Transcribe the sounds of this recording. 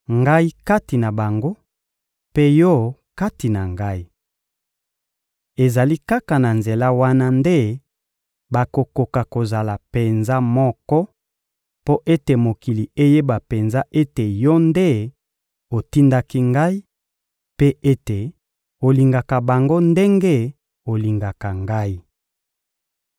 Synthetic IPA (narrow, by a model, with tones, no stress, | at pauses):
ŋɡa˦i˦ka˦ti˨na˨ba˨ŋɡo˦ | pe˦jɔ˦ka˦ti˨na˨ŋɡa˦i˦ | e˨za˨li˦ka˦ka˨na˨nze˨la˦wa˦na˦nde˦ | ba˨ko˨ko˨ka˨ko˨za˨la˨pe˨nza˦mɔ˦kɔ˦ | po˦ʔe˦te˨mo˨ki˨li˨e˦je˦ba˨pe˨nza˦ʔe˦te˨jɔ˦nde˦ | o˨ti˦nda˦ki˦ŋɡa˦i˦ | pe˦e˦te˨ | o˨li˨ŋɡa˨ka˨ba˨ŋɡo˦nde˦ŋɡe˦ | o˨li˨ŋɡa˨ka˨ŋɡa˦i˦